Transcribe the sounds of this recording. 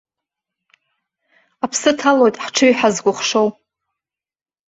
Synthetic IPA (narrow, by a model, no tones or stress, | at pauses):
apʰsɨtʰalo̞jtʼħʈ͡ʂʰɨɥħazɡʷʊχʂo̞w